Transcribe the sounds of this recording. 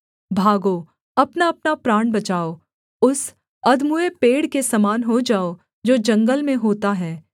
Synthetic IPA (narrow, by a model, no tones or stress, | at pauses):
bʱaːɡo | ɐpnaɐpnapɾaːɽ̃bɐt͡ʃaːo | ʊs | ɐd̪muepeːɽkesɐmaːnɦod͡ʒaːo | d͡ʒoːd͡ʒɐ̃ŋɡəlmẽɦoːt̪aɦɛː